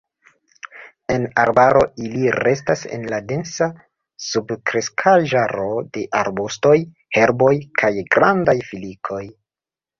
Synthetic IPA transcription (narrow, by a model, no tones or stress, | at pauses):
e̞na̰ɾbaɾo̞iliɾe̞stase̞̰nlade̞nsa | subkɾe̞skʰaʒaɾo̞de̞ʔaɾbusto̞j | he̞ɾbo̞jkʰajɡɾandajfilikʰo̞j